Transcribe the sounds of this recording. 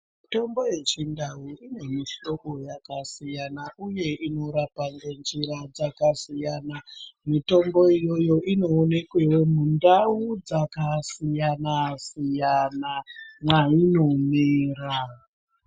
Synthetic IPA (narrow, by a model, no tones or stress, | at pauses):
mito̞mbo̞je̞t͡ʃindauine̞miʃo̞ko̞jakasijanaʔuje̞ʔino̞ɾapaŋɡand͡ʒiɾad͡zakasijanamito̞mbo̞ijo̞jo̞ʔino̞ːne̞kwe̞wo̞mundaud͡zakasijanasijanamwainomeːra